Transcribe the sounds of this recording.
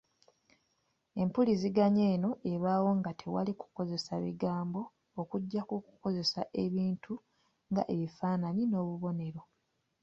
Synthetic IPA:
e̞mpuliziɡaɲe̞ːno̞ʔe̞βaːwo̞ŋɡatʰe̞wa̰liku̥ko̞ze̞saβḭɡaːmbo̞ː | kuɟːakuku̥ko̞ze̞saʔe̞βiːntʰu | ŋɡa̰ʔe̞βifaːnanino̞ːβuβo̞ne̞ɾo̞

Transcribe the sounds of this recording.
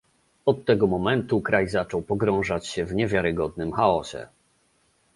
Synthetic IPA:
ɔt̪ːɛɡɔmɔmɛnt̪ukɾajzat͡ʂɔwpɔɡɾɔ̃w̃ʐat͡ɕɕɛvɲɛvʲjaɾɘɡɔd̪nɘmxaɔɕɛ̰

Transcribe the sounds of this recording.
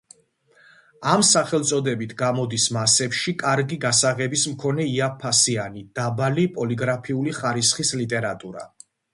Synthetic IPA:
amsaχɛlˠt̪sʼɔd̪ɛbit̪ʰɡamɔd̪ismasɛpʃikʼaɾɡiɡasaʁɛbismkʰɔnɛiapʰːasianid̪̥abalipʼɔliɡɾapʰiuliχaɾisχislit̪ʼɛɾat̪ʼuɾa̰

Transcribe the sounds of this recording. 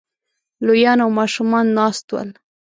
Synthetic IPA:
lojɑnawmɑʃumɑnːɑst̪wa̰l

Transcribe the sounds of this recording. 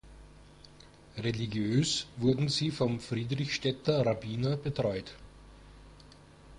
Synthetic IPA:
ʁeliɡjøːsvʊɐdn̩ziːfɔmfʁiːdʁɪçʃtɛtɐʁabiːnɐbətʁ̥ɔʏt

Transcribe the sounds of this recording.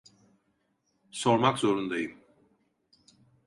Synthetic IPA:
so̞ɾmakzo̞ɾund̪ajɯm

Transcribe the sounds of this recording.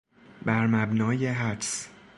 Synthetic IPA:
bæɾmæbnɒːje̞ɦæds

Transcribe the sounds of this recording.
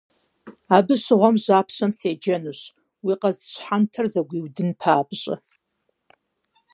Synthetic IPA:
abɨʃʷʁʷamʒʷaːpʰʃʷamsed͡ʒanɨʃ | wiqʼazt͡ʃʷʰħantʰɨrzaɡʷiwdɨnpʰaːbʒʷʼa̰

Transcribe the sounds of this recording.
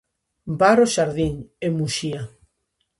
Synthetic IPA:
baɾoʃaɾðiŋemuʃia

